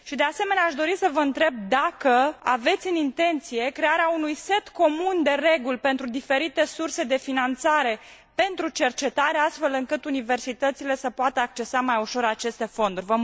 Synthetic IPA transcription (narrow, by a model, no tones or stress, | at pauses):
ʃid̪e̞ase̞me̞neaʃd̪o̞ɾisəvəɨnt̪ɾe̞b̚d̪akəa̰ve̞t̪sʲɨnint̪e̞nt̪sije̞kɾe̞aɾeaunujse̞t̪ko̞mund̪e̞re̞ɡulpe̞nt̪ɾud̪ife̞ɾit̪e̞surse̞d̪e̞finant̪saɾe̞ | pe̞nt̪ɾut͡ʃe̞rt͡ʃe̞t̪aɾeast̪fe̞lɨŋkɨt̪unive̞rsit̪ət̪sile̞səpoat̪əak̚t͡ʃe̞samajuʃo̞ɾat͡ʃe̞st̪e̞fo̞nd̪uɾʲvə